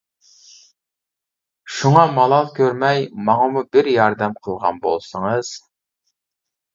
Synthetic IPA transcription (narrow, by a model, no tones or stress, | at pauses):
ʃuŋɑmɑlˠɑlˠkʲʰøɾmɛjmɑŋɑmubɪɾjɑɾd̪ɛmqʰəlˠʁɑ̰nbo̰lˠsəŋəz̥